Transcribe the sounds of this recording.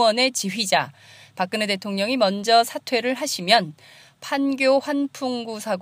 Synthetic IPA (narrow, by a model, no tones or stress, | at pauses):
ʌne̞t͡ɕiɥid͡ʑa | pak͈ɯnete̞tʰoŋɲʌŋimʌnd͡ʑʌsʰatʰwe̞ɾɯɭɦaɕʰimjʌn | pʰanɡjoɸwanpʰuŋɡusʰaɡ